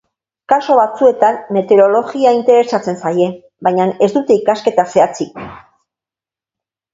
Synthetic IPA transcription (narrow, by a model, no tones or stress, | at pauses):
kaso̞βat͡sue̞t̪anːe̞t̪e̞ɾo̞lo̞ɣiaint̪e̞ɾe̞sat͡se̞nsaje̞ | bajɲane̞zd̪ut̪e̞ikaske̞t̪ase̞at͡sik